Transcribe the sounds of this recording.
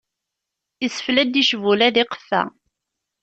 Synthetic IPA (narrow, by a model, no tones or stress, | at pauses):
əsə̥flæd̪iʃvulæðɪqə̥fːæ̰